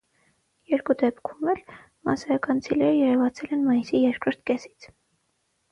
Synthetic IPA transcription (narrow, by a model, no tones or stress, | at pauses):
jɛɾkud̪ɛpkʰumɛl | mɑ̰sɑjɑkɑnt͡sʰilɛɾəjɛɾɛvɑt͡sʰɛlɛnmɑjisijɛɾkʰɾɔɾt̪ʰkɛsi̥t͡sʰ